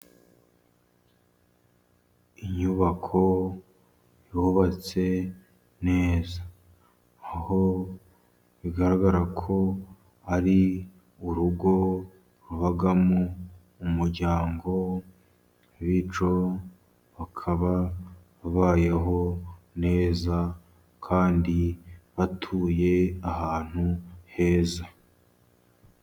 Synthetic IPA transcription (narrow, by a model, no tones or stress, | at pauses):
iɲuβakʰo̞ | juβat͡se̞ | ne̞ːzaː | ho̞ | βiɡaɾaɡaɾakʰo̞ | aɾi | uɾuɡo̞ | ɾuβaɡamuː | muɾɟaːŋɡo̞ | βit͡ʃo̞ | βakʰaβa | βaβaːje̞ɦo̞ne̞ːza | kʰaːndiβatʰuːje̞ahaːn̥huhe̞ːza